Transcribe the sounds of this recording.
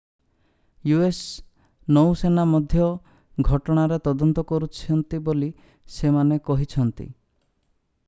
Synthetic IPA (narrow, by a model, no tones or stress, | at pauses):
jues | nɔwsenamɔd̪ʱjɔ | ɡʱɔʈɔɽ̃aɾet̪ɔd̪ɔnt̪ɔkɔɾut͡ʃʰiɔnt̪iboli | semanekɔɦit͡ʃʰɔnt̪ḭ